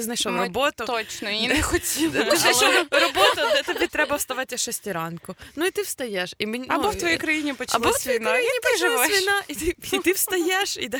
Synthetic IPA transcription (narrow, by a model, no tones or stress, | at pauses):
ɪznɐjʃɔɾɔbɔt̪ʊɔt͡ʃnɔɛxɔtʲilɛɔɾɔbɔt̪ʊd̪ɛt̪ɐbʲit̪ɾɛbɐst̪ɐʋɑtʲɐʃɛsʲtʲiɾɑnkʊnʊit̪ɪwst̪ɐjɛʃimɪnʲɐbɔwt̪ʋɔjijkɾɐjinʲipɔɐbɔsʋʲinɾɐjinʲipʒɪʋɛʋinɑit̪ɪit̪ɪwst̪ɐjɛʃid̪ɐ